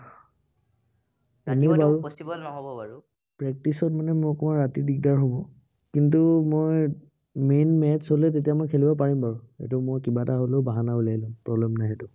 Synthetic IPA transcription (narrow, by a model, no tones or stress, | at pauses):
enibauɔstiɔnɔɦɔbɔaɹu | pɹɛk̚tisɔtmanɛmʊɔkɔmaɹatidik̚daɹɦobɔ | kintumoj | menmɛtsolɛt̬etijamojkʰelibɔp̬aɹimbaɹuḛtumojkibataɦoleʊbaɦanaulailũmpɹɔblɛmnajɦɛtʊ